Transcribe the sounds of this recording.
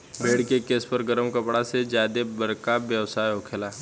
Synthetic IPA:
beːɽkekeːspəɾɡəɾəmkɐpɽased͡ʒjaːd̪ebɐɾkabjɐʋsaːjɦokʰelaː

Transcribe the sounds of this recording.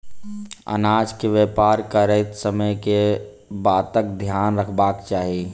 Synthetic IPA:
ə̰naːd͡ʒkeʋjepaːɾkəɾəɪt̪səməjke | baːt̪ək̚d̪ʱjaːnɾəkʰbaːkt͡ʃaːɦie

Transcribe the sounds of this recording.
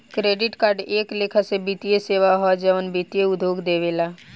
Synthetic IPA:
kɾeːɖɪʈkaːɾɖeːkleːkʰasebit̪ijeseːʋaɦɔd͡ʒəʋənbiːt̪ijeʊd̪ʱjoːɡd̪eːʋeːlaː

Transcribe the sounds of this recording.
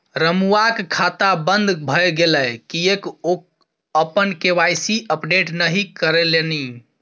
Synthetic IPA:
ɾəmuakkʰat̪abənd̪ʱbʱəjɡeləkieko | əpənkeʋajsiəpɖeʈnəɦikəɾeleni

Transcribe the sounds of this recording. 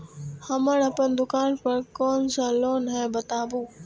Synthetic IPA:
hɐməɽɐpənd̪ʊkaːnpɐɾkoːnsãːloːnɦɛbɐt̪aːbuː

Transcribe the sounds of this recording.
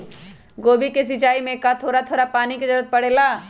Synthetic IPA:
ɡoːbikes̬ɪt͡ʃaːimẽkat̪ʰoːɾat̪ʰoːɾapaːnikezɐɾət̪̚pɐɽeːlaː

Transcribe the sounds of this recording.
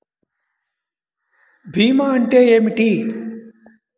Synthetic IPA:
bʱiːmaːəɳʈeːemiʈiː

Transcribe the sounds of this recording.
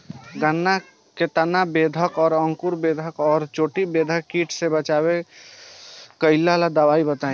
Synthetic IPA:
ɡənːa | ket̪anabeːd̪ʱəkɔːɾə̃ŋkuɾbeːd̪ʱəkɔːɾt͡ʃoːʈibeːd̪ʱəkːiːʈʰsebət͡ʃaːwe | kəɪlːalad̪əwaːibət̪aẽ

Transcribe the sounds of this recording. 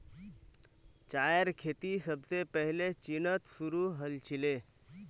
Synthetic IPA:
t͡ʃajɾkʰet̪isəbʱsepəɦilet͡ʃinət̪suɾuɦəlt͡ʃʰile

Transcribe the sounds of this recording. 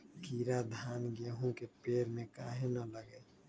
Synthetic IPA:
kiːɾad̪ʱaːnɡeːɦõkepeːɾmẽkaːɦẽnələɡe

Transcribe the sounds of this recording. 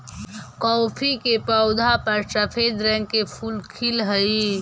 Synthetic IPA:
kɔːpʰikepəʊd̪ʱapəɾʃəpʰed̪ɾɛ̃ŋɡkepʰuːlkʰilɦəi

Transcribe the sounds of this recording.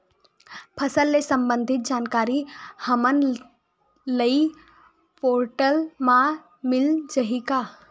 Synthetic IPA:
pʰəsəlːesə̃mbə̃nd̪ʱɪt̪̚d͡ʒaːnkaːɾihəmən | ləi | poːɾʈəlmã | mɪld͡ʒəɦika

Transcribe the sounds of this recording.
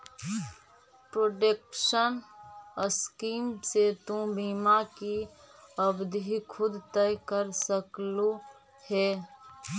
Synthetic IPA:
pɾoɖekʃənəskiːmset̪ũbiːmaki | əbd̪ikʰʊd̪t̪əkəɾsəklu | hɛ

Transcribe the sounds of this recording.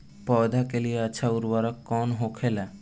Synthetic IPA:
pɔd̪ʱakelieat͡ʃʰauɾwaɾɔkːɔnɦokʰela

